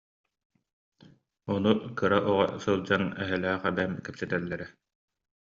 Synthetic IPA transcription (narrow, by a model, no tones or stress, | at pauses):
ɔnukɯɾaʔɔʁa̰sɯlˠd͡ʑanɛɦɛlæːχɛbɛmkɛpsɛt̪ɛlːɛɾɛ